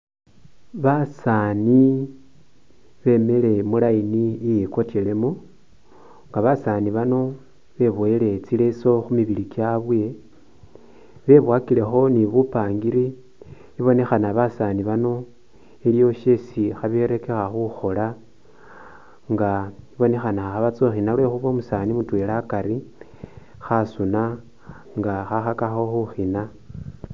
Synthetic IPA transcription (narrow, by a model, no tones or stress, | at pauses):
βasani | βe̞me̞le̞mulainiːjeko̞tele̞mu | ŋɡaβasaniβano̞ | βe̞βoele̞t͡sile̞so̞xumiβilikjaβwe̞ | βe̞βwakile̞xo̞niβupaːŋɡiɾi | iβo̞ne̞xanaβasaniβano̞ | elijo̞ʃe̞sixaβe̞ɾe̞ke̞xaxuxo̞la | ŋɡaiβo̞ne̞xanaxaβat͡soxinalwe̞xuβo̞musanimutwe̞lakaɾi | xasuna | ŋɡaxaxakaxo̞xuxina